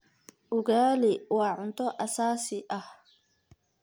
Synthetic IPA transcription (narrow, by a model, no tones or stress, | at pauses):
ʔʊɡaːlɛwaːʕʊnt̪ɔʔɐsaːsɪʔɐh